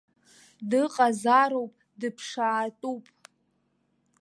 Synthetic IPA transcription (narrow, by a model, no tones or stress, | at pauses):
dɨqʼazaɾowpʼ | dɨpʰʂaːtʼupʼ